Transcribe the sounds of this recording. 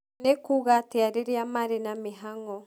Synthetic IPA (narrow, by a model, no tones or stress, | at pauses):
nekuɣateaɾeɾeamaɾenameɦaŋɔ